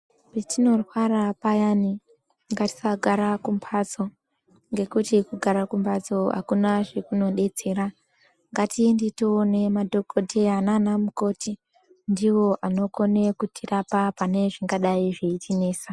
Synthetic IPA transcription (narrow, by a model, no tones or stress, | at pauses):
petino̞rwarapajani | ŋɡati̥saɡʱaɾakumpʰat͡so̞ | ŋɡe̞kutikuɡʱaɾakumpat͡so̞ɦa̰kunaʐekuno̞ɗe̞t͡se̞ːɾa | ŋɡatinditoːne̞madʱo̞kodʱeananamuko̞ti | ndiwo̞ʔano̞ko̞ne̞kutʰirapapane̞ʐiŋɡaɗaiʐe̞itʰine̞ːsa